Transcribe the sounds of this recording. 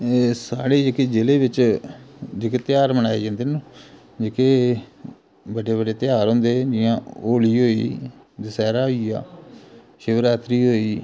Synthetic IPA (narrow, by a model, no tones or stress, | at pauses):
saːɽeːd͡ʒekeːd͡ʒɪleːʋɪt͡ʃ | d͡ʒekeːt̪ɪjaːɾmənaːeːd͡ʒãːnd̪eːnũ | d͡ʒekeː | bəɖeːbəɖeːt̪ɪjaːɾɦõːnd̪eːd͡ʒɪjãːoːliːɦoːḭː | d̪ɪsɛːɾaːɦoːiːa̰ː | ʃɪʋəɾaːt̪ɾiːɦoːiː